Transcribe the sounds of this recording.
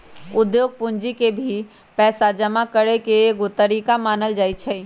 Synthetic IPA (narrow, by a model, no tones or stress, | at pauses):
ʊd̪joːɡ̚pʊnd͡ʒikebʱi | pɛːsad͡ʒəmakəɾekeɡot̪əɾiːkamaːnəld͡ʒaːit͡ʃʰɛ